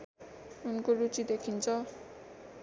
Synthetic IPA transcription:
unkoɾut͡sid̪ekʰint͡sʰʌ

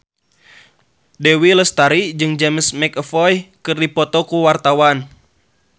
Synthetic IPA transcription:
dewiləst̪aɾid͡ʒɨŋd͡ʒɛməsmɛkəfɔjkɨrdipɔt̪ɔkuwart̪awan

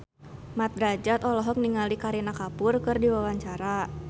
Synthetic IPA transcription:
mat̪̚ɾad͡ʒat̪ɔlɔɦɔk̚niŋalikaɾinakapʊrkɨrdiwawaɲt͡ʃaɾa

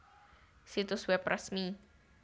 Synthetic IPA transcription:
sit̪uswɛprʔɛsmi

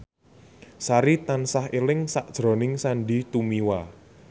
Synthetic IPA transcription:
saɾit̪ansahelɪŋsaʔd̥ʒ̥ɾɔ̤nɪŋsanɖit̪umiwa

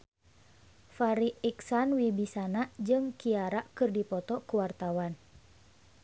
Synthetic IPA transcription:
faɾiiksanwibisanad͡ʒɨŋkiaɾaʔkɨrdipɔt̪ɔkuwart̪awan

